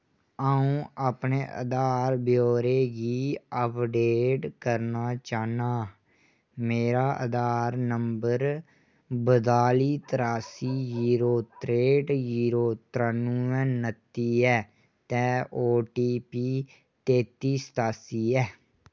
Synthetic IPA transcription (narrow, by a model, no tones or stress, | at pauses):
aːũːʔaːpneːʔə̰d̪aːɾbjoːɾeːɡiːəːpɖeːʈkəɾnaːt͡ʃaːnaː | meːɾaːʔə̰d̪aːɾnəmbəɾ | bəd̪aːliːt̪əɾaːsiːziːɾoːt̪ɾeːʈd͡ʒiːɾoːt̪ɾənũːɛ̃ːnət̪ːiːɛː | t̪ɛːʔoːʈiːpiː | t̪eːt̪iːst̪aːsiːɛː